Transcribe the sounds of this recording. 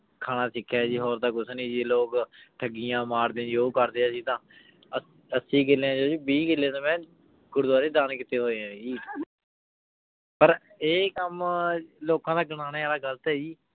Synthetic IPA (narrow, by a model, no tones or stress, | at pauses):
kʰaːnaːsɪkʰːaːd͡ʒiːɦoːɾd̪aːkʊsniːd͡ʒiːloːkʈʰəɡɪjãːmaːɾd̪ẽːd͡ʒoːkəɾd̪eːəsĩːt̪ãː | ə | əsĩːɡɪleãːd͡ʒoːd͡ʒiːbiːɡɪlːeːt̪ãːmɛ̃ː | ɡʊɾd̪aːɾeːd̪aːnkɪt̪eːɦoːeãːd͡ʒiː | pəɾ | eːkəmloːkãːd̪aːɡənaːneːaːlaːɡəlt̪ɛːd͡ʒiː